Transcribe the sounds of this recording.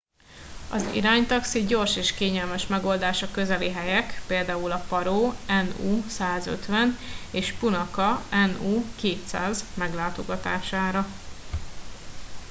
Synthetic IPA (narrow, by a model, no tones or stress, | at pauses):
ɒ̰zḭɾaːɲt̪ɒksiɟo̞rʃeːʃkeːɲɛlmɛʃmɛɡo̞ːld̪aːʃɒkø̞zɛliɦɛjɛkpeːld̪aːulɒpɒɾoːɛnuːsaːzø̰t̪ʋɛneːʃpunɒkɒɛnuːkeːt̪sa̰ːzmɛɡlaːt̪o̞ɡɒt̪a̰ːʃaːɾɒ